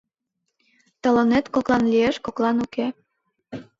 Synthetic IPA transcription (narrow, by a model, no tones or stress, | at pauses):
t̪ə̆lɤ̆net̪koklˠɑnlʲieʃkoklɑnuke